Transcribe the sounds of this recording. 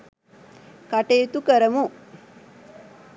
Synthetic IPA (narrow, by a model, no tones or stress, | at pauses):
kaʈeːt̪ukəɾəmu